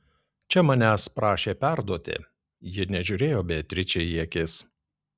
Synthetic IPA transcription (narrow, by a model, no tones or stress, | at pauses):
t͡ʃʲɛmɐnʲæːspɾɑːʃʲeːpʲæɾd̪uɔt̪ʲɪ̰ | jɪnʲɛʒʲʊɾʲeːjoːbʲɛːt̪ʲɾʲɪt͡ʃʲɛiɛkʲɪs